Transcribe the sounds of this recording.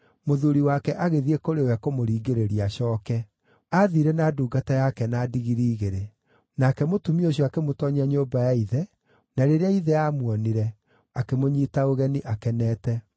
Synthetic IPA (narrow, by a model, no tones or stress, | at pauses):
moðuɾiwakɛʔaɣeðiekoɾewɛkomoɾiːɡeɾeɾiaɕɔːkɛ | aðiɾɛnaːduːɡatajakɛnadiɣiɾiːɣeɾe | nakɛmotumioɕ̬jɔakemotɔɲaɲoːbajaiðɛ | naɾeɾeaiðɛamwɔniɾɛ | akemoɲiːtaoɣɛniʔakɛnɛːtɛ